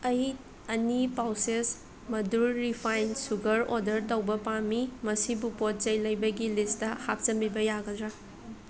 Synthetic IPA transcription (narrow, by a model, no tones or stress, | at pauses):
ɐj | ɐnipawses | mɐdulːipʰajnsuɡɐɾodɐɾtɐwbɐpamimɐsibupot̚t͡ʃɐjlɐjbɐɡilistɐhap̚t͡ʃɐmbibɐjaɡɐdɾa